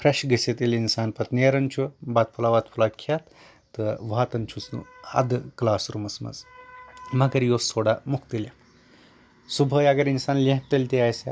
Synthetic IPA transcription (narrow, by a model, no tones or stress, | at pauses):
fʰɾeʃɡəset̪ilinsaːnpɐt̪nijɐɾɐnt͡ʃʰubat̪̚pʰulaʋat̪pʰulakʰat̪ː | əʋat̪ɐnt͡ʃʰusnṵɐ̰d̪klaːsɾumɐsmɐ̰z | mɐɡɐɾjosoɽamukt̪ilja | subʱəjaɡɐɾinsaːnlẽɦ̚t̪ɐlʲt̪iajsa